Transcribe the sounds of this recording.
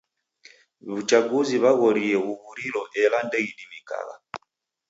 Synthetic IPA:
βut͡ʃaɡuziβaɣɔɾijɛɣuβuɾilɔʔɛlandɛiɗimika̰ɣa̰

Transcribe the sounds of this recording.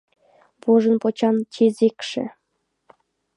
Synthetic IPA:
poʒə̆npot͡ɕɑnt͡ɕezekʃḛ̆

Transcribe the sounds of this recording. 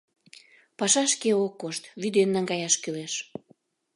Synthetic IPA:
pɑʃɑʃkeokːoʃt̪βyd̪enːɑŋɡɑjɑʃkyleʃ

